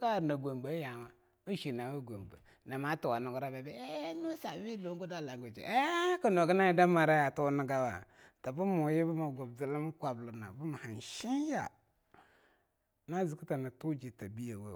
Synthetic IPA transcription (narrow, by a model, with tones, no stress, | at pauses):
ka˦˨na˨ɡʷo˨mɡ͡ba˦ja˨ma˨ | u˦ʃi˨na˨wa˦ɡo˨mbə̰˨ | na˨ma˦tu˨wa˨nu˨ɡu˦ɾa˦be˨be˦nu˦sa˨wi˦lo˦ŋ˦ɡu˦da˦˨la˨ŋɡo˨d͡ʒḛ˨ʔe˦ka˨no˨ɡə˦na˦ji˦da˦ma˨ɾa˦ja˨tu˦nə˦ɡa˦wa̰˨ | ta˨bu˦mu˨je˦bu˦ma˨ɡo˨bzi˦li˦m˦kʷa˨blu˨na̰˨bu˦ma˨ha˨nʃi˦n˦ja˨ | na˦zi˨ku˦ta˨na˨tu˦d͡ʒi˨ta˨bi˦ja˨wa˦˨